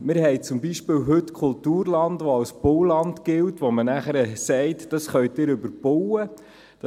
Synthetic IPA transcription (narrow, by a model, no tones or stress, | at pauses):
mɪːɾhɛɪt͡sʊmbiʃpɪːwɦɵtkʰχʊltuːɾlɑndʋoɑwsb̥owlɑntɡ̥ɪltʋomənæχəɾəsɛɪtd̥ɑsχœɥtɪːɾɵbəɾb̥ɔwə | d̥